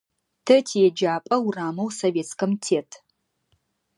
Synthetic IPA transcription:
tʰɐtʰijɛd͡ʒaːpʼɐwuraːmɐwsoveːt͡skɐmtʰeːtʰ

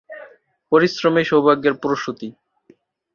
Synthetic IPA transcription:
poɾisɾomeʃobʱaɡːeɾpuɾoʃut̪i

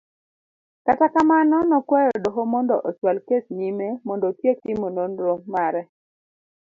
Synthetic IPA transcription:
katakamanɔnɔkwɛɾɔdɔɦomɔndɔʔɔswalkesnimemɔndɔtjek̚timononɾomːaɾɛ

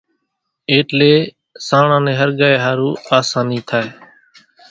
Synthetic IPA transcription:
eːʈleː | sãːɳãːnẽːɦəɾɡaːeːɦaːɾuːaːsaːniːt̪ʰaːeː

